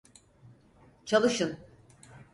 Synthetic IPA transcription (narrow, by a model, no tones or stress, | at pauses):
t͡ʃʰalˠɯʃɯn